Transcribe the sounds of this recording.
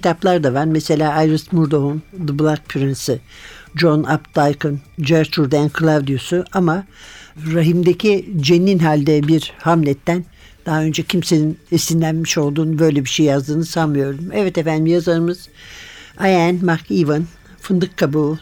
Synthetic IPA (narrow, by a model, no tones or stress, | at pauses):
cʰit̪ʰaplˠaɾd̪avaɾmese̞lʲaːajɾɯsmuɾd̪o̞ɦund̪ɯblˠak̚pʰyɾinsɯd͡ʒo̞napt̪ajkɯnd͡ʒɛɾt͡ʃʰuɾd̪ænkʰɯlˠavd̪ijosuʔama | ɾaɦimd̪ecʰid͡ʒenːinɦalʲd̪ɛbiɾhamlʲɛt̪ʰːæn | d̪̥aɦaø̞nd͡ʒɛcʰimseninisinlʲænmiʃo̞lˠd̪uːnbø̞jlʲɛbiʃejːjazd̪ɯːnɯsalmɯjo̞ɾumɛvɛt̪efænd̪imjazaɾɯmɯz̥ | ajænmakʰivɯn | fɯnd̪ɯkʰːabu